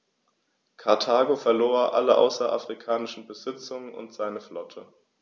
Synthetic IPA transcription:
kʰaɐtʰaːɡofɛɐloːʔa̰ləʔa̰ʊsɐʔa̰fʁ̥ikʰaːnɪʃn̩bəzɪt͡sʊŋənʊ̰ntz̥aɪnəflɔtʰə

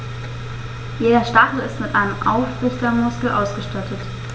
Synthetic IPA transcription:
jeːdɐʃtaχl̩ɪstmɪtʔaɪnəmʔa̰ʊfʁ̥ɪçdɐmʊskl̩ʔaʊsɡ̥əʃtatʰət

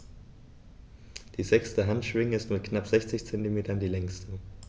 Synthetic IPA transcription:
d̥iːzɛkstəɦantʃv̥ɪŋəɪstmɪt̚knapz̥ɛçt͡sɪçt͡sɛntimeːtɐndiːlɛŋstʰə

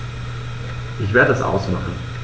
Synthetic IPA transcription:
ʔɪçv̥eːɐdəɛsʔa̰ʊsmaχn̩

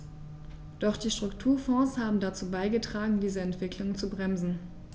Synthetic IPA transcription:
d̥ɔχd̥iːʃtʁ̥ʊktʰuːɐfɔ̃ːshaːbm̩dat͡suːbaɪɡətʁ̥aːɡŋ̩diːzəɛntv̥ɪklʊŋt͡subʁɛmzn̩

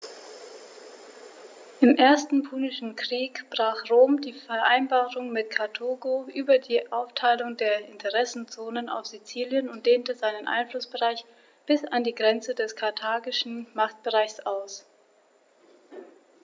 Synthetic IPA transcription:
ʔɪmʔeːɐstn̩pʰuːnɪʃn̩kʁ̥iːkb̥ʁ̥aːχʁoːmdiːfɛɐʔa̰ɪnbaːʁʊŋmɪtkʰaɐtʰoːɡoʔyːbɐdiːʔaʊftʰaɪlʊŋdeːɐʔɪntʰəʁɛsn̩t͡soːnəna̰ʊfz̥it͡siːljənʊnt̚d̥eːntəzaɪnənʔa̰ɪnflʊsb̥əʁaɪç | b̥ɪsandiːɡʁɛnt͡sədɛskʰaɐtʰaːɡɪʃn̩maχt̚b̥əʁaɪçsʔaʊs

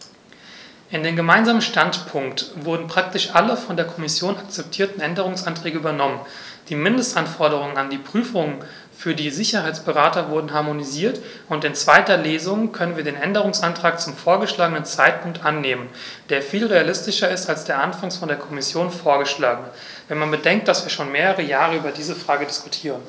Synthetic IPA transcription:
ʔɪndeːmɡəmaɪnzaːmənʃtantpʰʊŋktvʊɐdn̩pʁ̥ak̚tɪʃʔaləfɔndeːɐkʰɔmɪsjoːnak̚t͡sɛp̚tʰiːɐtn̩ʔɛndəʁ̞ʊŋsʔantʁ̥ɛːɡəʔyːbɐnɔmən | d̥iːmɪndəstʔanfɔɐɾəʁ̞ʊŋənandiːpʁ̥yːfʊŋən | fyːɐdiːzɪçɐhaɪt͡sb̥əʁaːtɐvʊɐdn̩ɦaɐmoniziːɐt | ʊntɪnt͡sv̥aɪtɐleːzʊŋkʰœnənviɐdeːnʔɛndəʁʊŋsʔantʁ̥aːk̚t͡sʊmfoːɐɡəʃlaːɡənənt͡saɪt̚pʰʊŋk̚tʔanːeːmən | d̥eːɐfiːlʁealɪstɪʃɐɪstalsd̥eːɐʔanfaŋsfɔndeːɐkʰɔmɪsjoːnfoːɐɡəʃlaːɡənə | vɛnmanbədɛŋktd̥asv̥iːɐʃoːnmeːʁəʁəjaːʁəyːbɐdiːzəfʁ̥aːɡədɪskʰutʰiːʁən

